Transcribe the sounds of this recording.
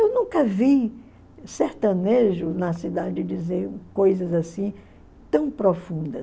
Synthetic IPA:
ewnũkɐvi | seɾt̪ɐ̃neʒʊnɐsid̪ad͡ʒɪd͡ʒizeɾkojzɐzasĩ | t̪ɐ̃w̃pɾofũnd̪ɐs

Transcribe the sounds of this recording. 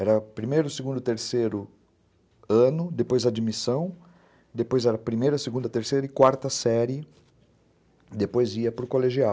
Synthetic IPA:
ɛɾɐpɾimejɾʊseɡũnd̪ʊt̪eɾseɾʊ | ɐ̃nʊd̪epojzɐd͡ʒimisɐ̃w̃ | d̪epojzɛɾɐpɾimejɾɐseɡũnd̪ɐt̪eɾseɾɐɪikwaɾt̪ɐsɛɾɪ | d̪epojziɐpɾʊkoleʒia

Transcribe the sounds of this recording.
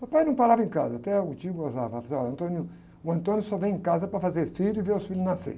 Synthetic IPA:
papajnɐ̃w̃paɾavɐẽka̰zɐat̪ɛʊt͡ʃiʊɡoza̰vɐfsɔɐ̃nt̪õniu | ʊɐ̃nt̪õnjʊsɔvẽj̃ẽkazɐpɾɐfazeɾfiʎʊɪveɾʊsfilʊznasḛ

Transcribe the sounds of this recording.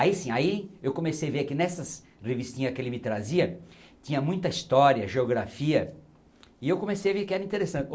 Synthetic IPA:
aisĩaiewkõmesejaveɾkɪnɛsɐs | ʁevist̪ĩɲɐskɪelɪmɪt̪ɾaziɐt̪ĩɲɐmũj̃t̪ɐist̪ɔɾiɐʒeoɡɾafiɐ | ɪewkõmesejaveɾkɪɛɾɐĩt̪eɾesɐ̃nt̪ɪ

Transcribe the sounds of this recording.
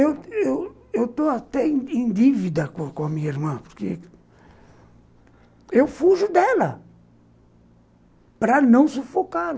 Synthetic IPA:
ewewewt̪oat̪ɛ̃ẽj̃d̪ivid̪ɐkõkõɐmĩɲɐiɾmɐ̃poɾke | ewfuʒʊd̪ɛlɐ | pɾɐnɐ̃w̃sufokal

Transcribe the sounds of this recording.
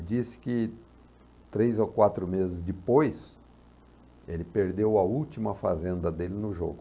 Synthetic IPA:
d͡ʒisɪ̥kɪ | t̪ɾejzokwat̪ɾʊmezɪzd̪ɪpojs | elɪpeɾd̪ewɐuwt͡ʃimɐfazẽnd̪ɐd̪elɪnʊʒo̰ɡʊ

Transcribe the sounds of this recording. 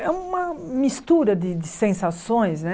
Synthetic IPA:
ɛũmɐmist̪uɾɐd̪ɪd̪ɪsẽsasõj̃snɛ

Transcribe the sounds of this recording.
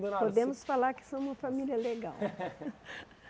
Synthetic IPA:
pod̪ẽmʊsfalaɾkɪ̥sɐ̃w̃ũmɐfamiliɐleɡa̰w

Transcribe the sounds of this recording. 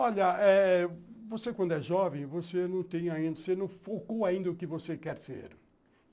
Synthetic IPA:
ɔʎɐɛ | vosekwɐ̃nd̪ʊɛʒɔvẽj̃vosenɐ̃w̃t̪ẽj̃aĩnd̪ɐsenɐ̃w̃fokoaĩnd̪ɐʊkɪvosekɛɾsḛɾ

